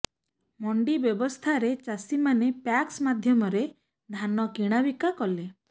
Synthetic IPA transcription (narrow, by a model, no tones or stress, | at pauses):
mɔɳɖibjɔbɔst̪ʰaɾet͡ʃasimanepaksmad̪ʱjɔmɔɾe | d̪ʱanɔkiɽ̃abikakɔle